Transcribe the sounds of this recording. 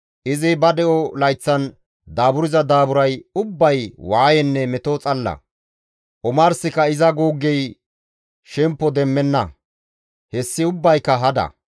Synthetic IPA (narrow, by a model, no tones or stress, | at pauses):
ʔɪzɪbɐd̪ɛʔɔlɐjt͡sːɐn | d̪aːbʊɾɪzɐd̪aːbʊɾɐjʊbːɐjwaːjɛnːɛmɛt̪ot͡sʼɐlːɐ̰ | ʔɔmaːɾsɪkɐɪzɐɡoːɡːɛj | ʃɛmpːɔd̪ɛmːɛnːɐ | hɛsːɪʊbːɐjkːɐɦɐd̪ɐ̰